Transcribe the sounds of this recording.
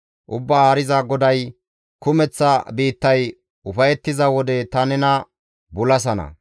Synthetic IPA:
ʔʊbːaːɐɾɪzɐɡɔd̪ɐj | kʊmɛt͡sːɐbiːt̪ːɐj | ʊfɐjɛt̪ːɪzɐwɔd̪ɛt̪ɐnɛnɐ | bʊlɐs̬ɐnɐ̰

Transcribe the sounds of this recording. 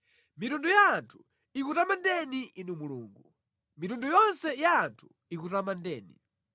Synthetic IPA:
mitundujaːntʰu̥ | ikutamandɛniʔinumuluːŋɡu | mitundujɔnsɛjaːntʰu̥ | ikutamandɛːni

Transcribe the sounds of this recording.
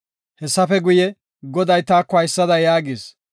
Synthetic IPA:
hɛsːɐfɛɡʊjɛ | ɡɔd̪ɐjt̪aːkːɔɐjsːɐd̪ɐjaːɡiːs

